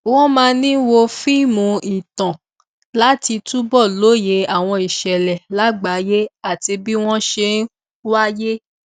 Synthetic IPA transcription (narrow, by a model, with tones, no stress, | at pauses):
wɔ̃˦mãː˧nĩ˦wo˧fi˦mũ˧i˨tã˨ | la˨˦ti˧tu˦bɔ˦˨lo˨˦je˨˦a˨w̃ɔ̃˧i˨ʃɛ˨lɛ˨la˨˦ɡ͡ba˨˦je˦a˦˨ti˧bi˦w̃ɔ̃˦ʃe˧n˦ | wa˦je˦